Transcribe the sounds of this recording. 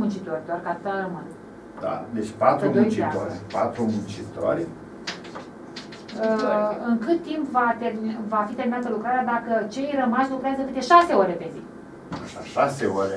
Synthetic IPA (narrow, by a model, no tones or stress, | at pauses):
munt͡ʃit̪o̞rʲd̪arʲkat̪arəman | d̪̥a̰d̪et͡ʃʲpat̪umut͡ʃiaoɾʲpat̪ɾumunt͡ʃit̪o̰ɾʲ | ɨŋkɨt̪ːimpvat̪evafit̪e̞rminat̪əlukɾaɾead̪akət͡ʃe̞jrəmaʃʲlukɾeazəkɨt̪e̞ʃase̞oɾe̞pe̞zi | aʃaʃaseoɾe